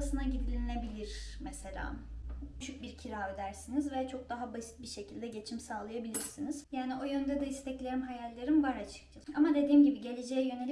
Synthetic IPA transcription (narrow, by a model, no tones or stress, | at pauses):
sɯnaɟid̪ilʲine̞bilʲiɾ̥mɛse̞lʲa̰ːyt͡ʃʰyc̚biɾcʰiɾaːød̪æɾsinizvɛt͡ʃʰo̞k̚d̪aɦabasi̥t̪̚biɾʃe̞cʰilʲd̪ɛɟe̞t͡ʃʰimsaːlˠajabilʲiɾsinizjaːnio̞jønd̪ɛd̪ɛist̪ʰɛclʲe̞ɾimɦajalʲːeɾimbaɾat͡ʃʰɯ̥k̚d͡ʒalamad̪e̞d̪iːmɟibiɟe̞lʲed͡ʒejɛjø̞nei